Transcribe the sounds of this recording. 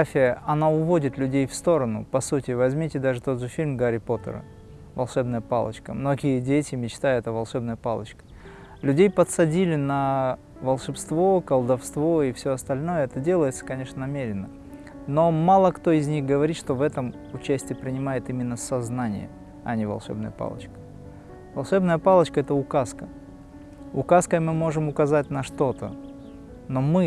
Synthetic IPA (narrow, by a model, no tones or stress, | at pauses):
afʲɪjəʔɐnaʊvo̞dʲɪt̪lʲʉdʲejfst̪o̞ɾənʊpɐsutʲɪvɐzʲmʲitʲɪd̪aʐɨt̪o̞d̪ʐɨfʲilʲmɡaɾʲɪpo̞t̪ə̰ɾə̰ | vɐlˠʂɛbnəjəpa̰lˠə̰t͡ɕkəmno̞ɡʲɪjədʲetʲɪmʲɪt͡ɕt̪ajɛt̪əvɐlˠʂɛbnəjəpa̰lˠət͡ɕkə̥ | lʲʉdʲejpət̪sɐdʲilʲɪnɐ | vəlˠʂɨpst̪vo̞kəlˠd̪ɐfst̪vo̞ɪfsʲoɐst̪ɐlʲno̞jəɛt̪ədʲe̞lˠəjɪt̪sə̥kɐnʲe̞ʂnənɐmʲeɾʲɪnːə | no̞malˠəkt̪o̞ɪzʲnʲixɡəvɐɾʲit̪ʂt̪ovɛt̪əm | ʊt͡ɕæsʲtʲɪjəpɾʲɪnʲɪmajɪt̪imʲɪnːəsɐznanʲɪ̰jə̰ | ɐ̰nʲɪvɐ̰lˠʂɛ̰bnə̰jəpa̰lˠə̰t͡ɕkə̥ | vɐlˠʂɛbnəjəpalˠət͡ɕkəɛt̪əʊkaskə | ʊkaskəmɨmo̞ʐɨmʊkɐzatʲnɐʂt̪o̞t̪ə̰ | no̞mɨ